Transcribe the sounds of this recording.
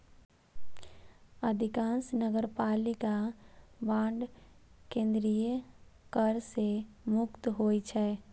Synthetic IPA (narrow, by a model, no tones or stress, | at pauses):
əd̪ʱɪkãːnsnəɡəɾpaːlɪkabãːɳɖkẽːnd̪ɾijəkəɾsemʊkt̪ɦoːit͡ʃʰɛː